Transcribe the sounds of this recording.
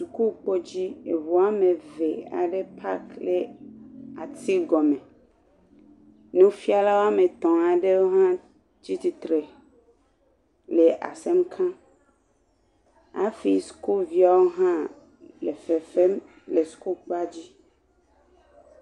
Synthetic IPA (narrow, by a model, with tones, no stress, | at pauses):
su˨ku˦k͡po˦d͡ʑi˦e˨vo˨a˦mẽ˨ve˨a̰˨ɖe˦pʰa̰˦kle˦ | a˨t̪i˦ɡɔ˨mẽ˨ | nũ˦fi˦a˦la˦wo˦a˦mẽ˨t̪ɔ̃˨a˨ɖe˦wo˦ɦã˦ | d͡ʑi˦t̪i˨t̪ɾe˨ | le˨ʔa̰˨se˦mkʰã˦ | a̰˦fi˦sku˦lvi˦a˨wo˦ɦã˦ | le˨fe˨fe˦m | le˨su̥˨ku˦lk͡pa˦d͡ʑi˦